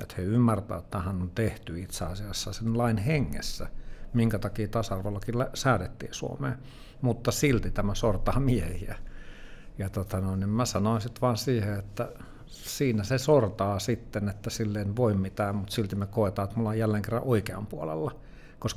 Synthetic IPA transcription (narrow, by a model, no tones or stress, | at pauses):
ḛt̪heymːært̪æ̰ːt̪ːæhænːont̪eht̪yit̪seɑsiɑsːɑsenlɑinheŋːḛsːæmiŋkæt̪ɑkiːt̪ɑsɑrʋelːɑkilæsæːt̪et̪ːḭːsuo̰mḛː | mut̪ːɑsilt̪it̪æmæsort̪ɑːmiehiæ | jɑt̪ot̪ɑnoinnimmæsɑnoinsit̪ʋɑːnsiːheet̪ːæ | siːnæsesort̪ɑːsit̪ːenet̪ːæsilːeinʋoimmit̪æːmut̪silt̪imekoet̪ɑːet̪mulːɑjjælːeːŋkerːɑ̰ʔoikeɑ̰mpuolḛlːɑ | kos